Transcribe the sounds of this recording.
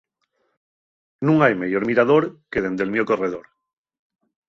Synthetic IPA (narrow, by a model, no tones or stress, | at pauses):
nũŋajmeʝoɾmiɾaðo̞ɾkeðe̞nd̪elmjoko̞reðoɾ